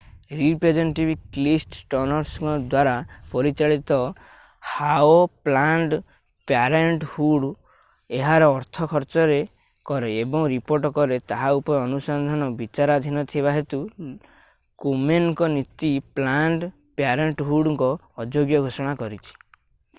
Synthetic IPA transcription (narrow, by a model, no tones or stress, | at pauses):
ɾipɾed͡ʒeɳʈibʱiklisʈʈɔnɔɾsŋɔd̪waɾapɔɾit͡ʃaɭit̪ɔ | haoplaɳɖ | paɾeɳʈhuɽ | eɦaɾɔːɾt̪ʰɔkʰɔɾt͡ʃɔɾe | kɔɾeebɔŋɾipoɾʈɔkɔɾet̪aɦaupɔɾeɔnusɔnd̪ʱɔnɔbit͡ʃaɾad̪ʱinɔt̪ʰibaɦet̪u | kumenɔkɔnit̪iplaɳɖ | pjaɾeɳʈɦuɽɔŋkɔː | d͡ʒoɡjɔɡʱosɔɽ̃akɔɾit͡ʃʰi̥